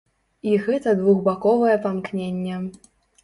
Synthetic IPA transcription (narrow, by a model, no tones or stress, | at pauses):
iɣɛt̪ɐd̪vuɣbakɔvɐjɛpamknʲenʲːɛ